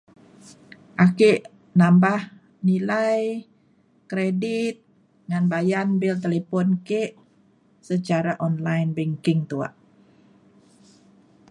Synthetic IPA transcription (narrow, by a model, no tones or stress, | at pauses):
ʔakeʔ | nambah | nilaj | kɾedit̪̚ | ŋanbajanbilt̪̬elepɔnkeʔ | sət͡ʃaɾaʔɔnlajnbɛŋkɪŋt̪ua̰ʔ